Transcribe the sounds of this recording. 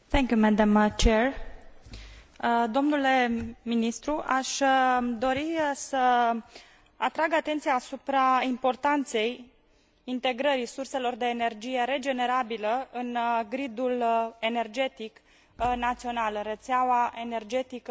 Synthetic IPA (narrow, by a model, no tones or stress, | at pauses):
θɛ̃ŋkʲjumɛd̪amt͡ʃer | d̪o̞mnule̞minist̪ɾuʔaʃd̪o̞ɾisə | at̪ɾaɡat̪e̞nt̪sijaːsupɾaimpo̞rt̪ant̪se̞j | int̪e̞ɡɾəɾisurse̞lo̞rd̪e̞ːne̞rd͡ʒije̞ɾe̞d͡ʒe̞ne̞ɾabiləɨnɡɾid̪ule̞ne̞rd͡ʒe̞t̪ik | nat̪sio̞nalɨnret̪seawaʔe̞ne̞rd͡ʒe̞t̪ikə